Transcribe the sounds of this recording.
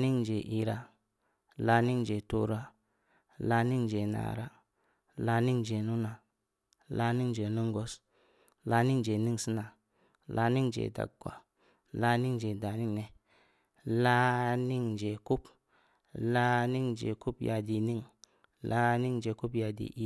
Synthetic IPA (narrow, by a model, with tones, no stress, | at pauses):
ni˦ŋd͡ʒe˨ʔi˦ɾa˦ | la˦ni˦ŋd͡ʒe˨to̰˦ɾa˦ | la˧˦ni˦ŋd͡ʒe˨na̰˨ɾa̰˦ | la˦ni˦ŋd͡ʒe˨nu˦na˨ | la˦ni˦ŋd͡ʒe˨nu˦ŋ˦ɡo˦s | la˧˦ni˦ŋd͡ʒe˨ni˦ŋsi˦na˨ | lʔa˦ni˦ŋd͡ʒḛ˨da̰˨ɡʷa̰˨ | la˦ni˦ŋd͡ʒe˨da˨ni˦ŋne˨ | la˦ni˦ŋd͡ʒe˨ku˦p | la˦ni˦ŋd͡ʒḛ˨ku˦pja˨di˨ni˦ŋ | la˦ni˦ŋd͡ʒe˨ku˦pja˧dḭ˨ʔi˦